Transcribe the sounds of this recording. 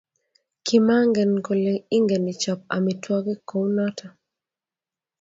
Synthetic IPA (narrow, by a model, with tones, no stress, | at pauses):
kɪ˨ma˦ŋɡɛ˨nko˨le˨i˦ŋɡɛ˨nɪ˨t͡ʃɔ˨p̚a̰˨mi˨twɔ˦ɡɪ˦ko˨˦wnɔ˦ta˨